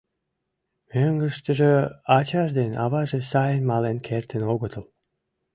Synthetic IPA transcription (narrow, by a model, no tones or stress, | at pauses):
møŋɡəʃt̪ə̆ʒeɑt͡ɕɑʒd̪enɑ̰βɑʒesɑjənmɑlenkʰert̪ʰə̆noɡə̆t̪ʰəlˠ